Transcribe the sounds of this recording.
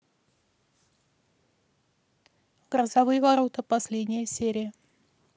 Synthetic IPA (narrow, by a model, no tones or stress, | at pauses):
ɡɾəzɐvɨjəvɐɾot̪əpɐsʲlʲedʲnʲɪjəsʲeɾʲɪjə